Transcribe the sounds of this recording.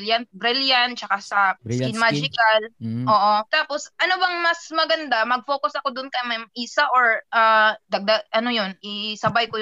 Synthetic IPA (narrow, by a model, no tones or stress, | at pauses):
ljan̚bɾɪljant͡ʃɐkasɐɪnmad͡ʒɪkɐlʔoːʔot̪aːposʔɐnobɐŋmɐsmɐɡɐnd̪amɐɡ̚fo̞ːkʊsɐkod̪ʊnkɐmɐjmʔiːsɐʔoɹʔad̪ɐɡ̚d̪aɡʔɐnojonʔɪsɐbajkoj